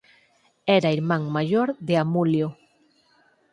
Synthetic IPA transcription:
ɛɾaiɾmãŋmaʎoɾðeamuljo

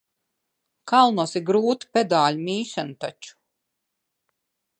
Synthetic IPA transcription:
kalˠnusiɡɾuːt̪u̥pʲɛd̪aːlʲumʲiːʃanut̪at͡ʃu̥

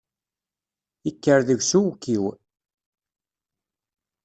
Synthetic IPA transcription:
ikːəɾðəʝsuwkːiw

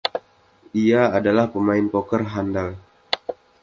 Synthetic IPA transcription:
ʔiaːdalahpəmaɪnpokərɦandal

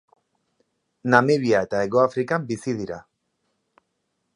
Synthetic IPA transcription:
nameβiae̞t̪ae̞ɣoafɾikambisiðiɾa̰

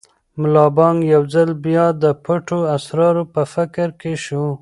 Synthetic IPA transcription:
mʊlɑbɑŋɡjawd͡zalbjɑd̪əpəʈoasɾɑɾopəfɪkɾkeʃu

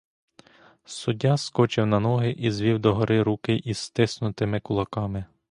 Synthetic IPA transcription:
sʊdʲaskɔt͡ʃɪwnɐnɔɦɪʔizʋʲiwd̪ɔɦɔɾʔɪɾukɪʔist̪ɪsnʊt̪ɪmɪkʊlˠɐkɑmɪ

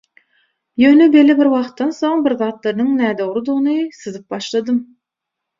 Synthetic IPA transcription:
jøːnebe̞lʲːibiɾwɑχt̪ːɑnso̞ŋbiɾðɑːt̪lˠɑɾɯnɯŋnæːd̪o̞ʁɾud̪uʁnɯsɯzɯp̚bɑʃlˠɑd̪ɯm

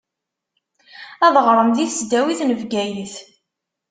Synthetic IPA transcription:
æðʁɾˤəmðiθsd̪æwiθnəvɡæjiθ

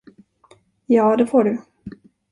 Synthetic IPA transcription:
jɑːd̪ɛfoːɖɵ

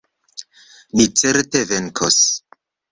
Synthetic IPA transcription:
nit͡seɾteveŋkʰos

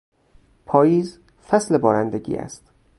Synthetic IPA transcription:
pʰɒːjiːz | fæslebɒːɾænd̪eɟʲḭːʔæ̰st̪

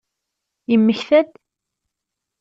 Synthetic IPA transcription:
jəmːəçθæd̪

